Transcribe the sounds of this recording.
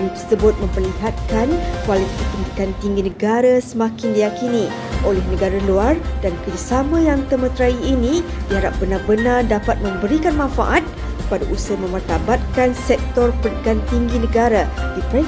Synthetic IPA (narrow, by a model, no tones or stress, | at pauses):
ŋit̪ərsəbʊt̪̚mə̃mpərliɦat̪̚kankwalit̪ipənd̪ikant̪iŋɡinəɡaɾasəmãkɪndijakini | ʔolɛhnəɡaɾaluardankərd͡ʒasamãjaŋt̪əmə̃t̪ɾaiːnĩdiɦaɾap̚b̥ənarbənardapat̪̚mə̃mbəɾikanmãnfa̰ʔat̪̚ | kəpadaʔusəmə̃mart̪abat̪̚kansɛk̚t̪ɔrpənikant̪iŋɡinə̃ɡaɾadipɾɛ